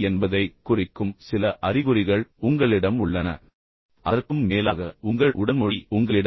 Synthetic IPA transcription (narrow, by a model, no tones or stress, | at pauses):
ɛnbɐðɐɪkʊrɪkːɯmsɪlɐʔɐrɪɣɯɾɪɣɐɭʊŋɡɐɭɪɽɐmʊɭːɐnɐ̰ | ʔɐðɐrkɯmːeːlaːɣɐʊŋɡɐɭʔʊɽɐnmɔɽiʊŋɡɐɭɪɽ